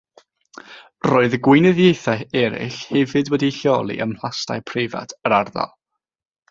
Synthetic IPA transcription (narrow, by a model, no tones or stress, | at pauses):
roːɨðəɡwɪnɨðjejθaɛɾɪ̰ɬhɛvɨdwɛdiɬjɔlˠḭʔəml̥ˠasta̰jpʰrɪva̰tʰəɾarða̰lˠ